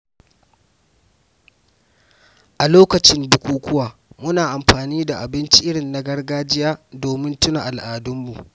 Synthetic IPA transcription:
ʔa˨loː˦kɐ˨t͡ʃɪ˦mbʊ˨kʷuː˨kʷʊ˦waː˨mʊ˦naː˨ʔa˨mɸaː˨niː˦da˨ʔa˨bɪ˦nt͡ʃi˦ʔɪ˦ɽɪ˨nːa˦ɡɐ˦rɡaː˦d͡ʒɪ˦jaː˦doː˨mɪ˦ntʊ˦na˨ʔa˨lʔaː˨dʊ˦mːu˨ʔ

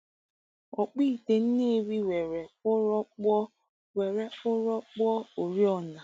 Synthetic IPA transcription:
ɔ˨k͡pi˦˨te˨n̩˦ne˦˨ɾi˦we˨ɾe˨˦ɔ˦k͡p | we˨ɾe˦ʊ˦ɾɔ˦k͡pɔ˦o˨ɾi˦ɔ˦˨na˨

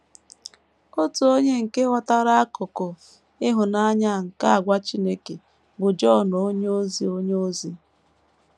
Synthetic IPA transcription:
o˦tu˨o˦ɲe˦ŋ̩˨ke˦ɦɔ˦ta˦ɾa˦a˦kʊ˨kʊ˨ | ɪ˦ɦʊ˨na˦ɲa˦˨ŋ̩˨ka˦a˨ɡʷa˦t͡ʃi˦ne˦ke˨ | bʊ˨d͡ʒɔ˦˨nɔ˨o˦ɲ˦o˦zi˨o˦ɲoo˦zi˦

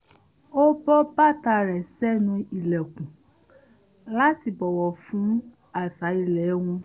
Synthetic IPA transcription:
o˦bɔ˦ba˦˨ta˧˨ɾɛ˨sɛ˦nũ˧i˨lɛ˨kũ˨ | la˦ti˧bɔ˨wɔ˨fũ˨˦ | a˦˨sa˨˦i˧lɛ˨˦w̃ɔ̃˧

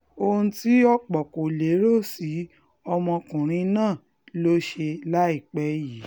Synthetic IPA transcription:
o˧hũ˧ti˦ɔ˦k͡pɔ˨ko˨le˨˦ɾo˦˨si˨˦ | ɔ˧mɔ̃˧kũ˨ɾ̃ĩ˧nãː˦˨ | lo˦ʃe˧la˦i˦˨k͡pɛ˨˧˦ji˨˦

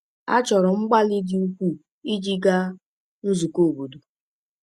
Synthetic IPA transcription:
a̰˦t͡ʃɔ˨ɾʊ˨ŋ͡m̩˦ɡ͡ba˦li˦dɪ˦u˦kʷu˦ | i˦d͡ʒi˦ɡa˦ | n̩˦zu˨ko˦˨bu˨du˨

